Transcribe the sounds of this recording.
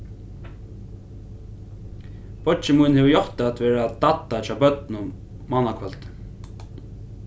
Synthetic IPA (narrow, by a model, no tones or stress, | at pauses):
pɔt͡ʃɪmujnhɛvjɔht̪at̪vɛːɾat̪at̪ːat͡ʃaːbœt̪nʊ | manakʰvœlt̪